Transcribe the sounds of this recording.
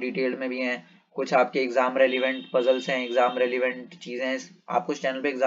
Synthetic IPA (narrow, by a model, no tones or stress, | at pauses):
ɖiːʈeːlmẽbʱiɦɛ̃ː | kʊt͡ʃʰaːp̚keɪkzaːmɾeliʋə̃ɳʈpɐzəlsɦɛ̃ɪkzaːmɾeːliʋə̃ɳʈt͡ʃiːzẽɦs | a̰ːp̚kʊt͡ʃʰt͡ʃɛːnəlpeɪɡzaː